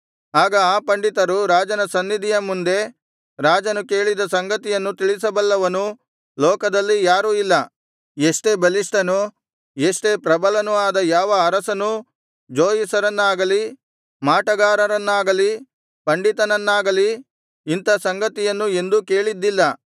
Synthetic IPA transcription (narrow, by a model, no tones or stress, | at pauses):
aːɡɐaːpɐɳɖit̪ɐɾuɾaːd͡ʒɐnɐsɐnːid̪ʱijɐmund̪e̞ | ɾaːd͡ʒɐnuke̞ːɭid̪ɐsɐŋɡɐt̪ijɐnːut̪iɭisɐbɐlːɐʋɐnu | lɔːkɐd̪ɐlːijaːɾuilːɐ | eʂʈe̞bɐliʂʈɐnu | eʂʈe̞pɾɐbɐlɐnuaːd̪ɐjaːʋɐːɾɐsɐnu | d͡ʒoːjisɐɾɐnːaːɡɐli | maːʈɐɡaːɾɐɾɐnːaːɡɐli | pɐɳɖit̪ɐnɐnːaːɡɐli | int̪ɐsɐŋɡɐt̪ijɐnːue̞nd̪uke̞ːɭid̪ːilːɐ